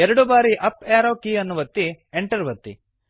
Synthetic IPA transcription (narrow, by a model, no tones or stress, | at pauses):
ɛɾɐɽubaːɾiʔɐpaːɾoːkiːɐnːuʋɐt̪ːi | eɳʈɐɾʋɐt̪ːḭ